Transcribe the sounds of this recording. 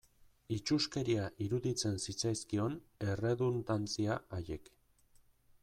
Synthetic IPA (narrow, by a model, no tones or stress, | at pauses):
it͡ʃuske̞ɾiaʔiɾuðit͡se̞nsit͡sajskio̞ne̞re̞ðunt̪ant͡siaːje̞k